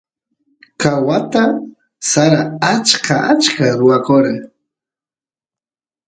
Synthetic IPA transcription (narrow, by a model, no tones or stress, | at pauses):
kawat̪a | saɾaat͡ʃkʰaat͡ʃkaɾʊwakoɾa